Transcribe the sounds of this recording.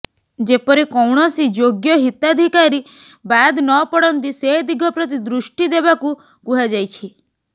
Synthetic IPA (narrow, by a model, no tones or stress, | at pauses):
d͡ʒepɔɾikɔwɳ̃ɔsid͡ʒoɡjɔɦit̪ad̪ʱikaɾi | bad̪nɔpɔɽɔnt̪ised̪iɡʱɔpɾɔt̪̬id̪ɾuʃʈid̪ebaku | kuɦad͡ʒajt͡ʃʰi